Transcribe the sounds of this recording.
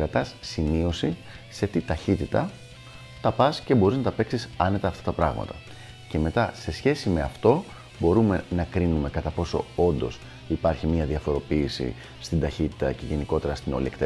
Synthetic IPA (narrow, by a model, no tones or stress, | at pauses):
ɾɐt̪ɐsːimio̞si | se̞t̪it̪ɐçit̪it̪ɐ̰ | t̪ɐpɐsce̞bo̞ɾiznɐt̪ɐpe̞ksisɐne̞t̪ɐːft̪ɐt̪ɐpɾɐɣmɐ̰t̪ɐ | ce̞me̞t̪ɐse̞sçe̞sime̞ɐft̪o̞ | bo̞ɾume̞nɐkɾinume̞kɐt̪ɐpo̞so̞̰o̞nd̪o̞̰s | ipɐɾçimiɐðiɐfo̞ɾo̞piːsḭ | st̪ind̪ɐçit̪i̥t̪ɐ̰ce̞ʝe̞niko̞t̪e̞ɾɐst̪ino̞lḭekt̪e